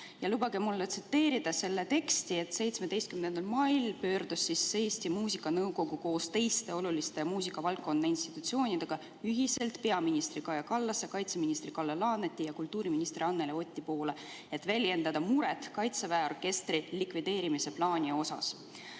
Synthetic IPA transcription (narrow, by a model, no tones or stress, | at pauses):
jɑlubɑɡemulːet̪sit̪ːe̞ːɾid̪̥ɑse̞lːe̞t̪e̞kst̪ie̞t̪se̞jt̪smed̪e̞jst̪kymnend̪ɑlmɑjlpø̞ːrd̪̥usːisːe̞ːst̪imuːsikːˑɑnɤwko̞ɡ̥uko̞ːst̪e̞jst̪e̞o̞lulist̪emuːsikːˑɑvɑlkːo̞nd̪ɑinst̪i̥t̪ːut̪sio̞ːnʲid̪eɡ̥ɑ | yɦise̞lt̪ˑpe̞ɑminʲist̪rikɑjɑkɑlːɑsːekɑjt̪se̞minist̪ɾrikɑlːelɑːnet̪ʲˑːijɑkult̪ːˑuːɾiminist̪riɑnːeleo̞t̪ʲːipo̞ːle | e̞t̪ːˑvælʲje̞nd̪ɑd̪̥ɑmuɾɛt̪kɑjt̪sevæeo̞rke̞st̪rilikvid̪e̞ːɾimise̞plɑːnʲio̞sɑ̰s